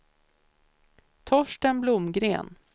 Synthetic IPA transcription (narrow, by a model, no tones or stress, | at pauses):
t̪ʰɔʂʈənblʊmɡɾḛːn